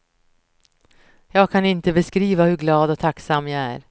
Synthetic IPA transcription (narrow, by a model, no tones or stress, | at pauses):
jɑːɡ̚kʰanɪnt̪əbɛskɾiːvahɵɾɡlɑːd̪ɔt̪ʰaksamːjaæ̰ɾ